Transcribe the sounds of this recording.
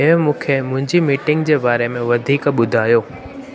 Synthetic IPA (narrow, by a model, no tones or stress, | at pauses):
ɪɦmũːkʰemʊ̃ɦɪ̃ɲd͡ʑimiːʈɪ̃ŋɡd͡ʑeːbaːɾemẽʋɐd̪ʱiːkɓʊd̪ʱaːjoː